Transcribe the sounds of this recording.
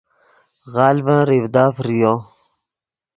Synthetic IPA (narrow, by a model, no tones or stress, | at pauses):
ɣaːlbãːɾivd̪aːfɾijõː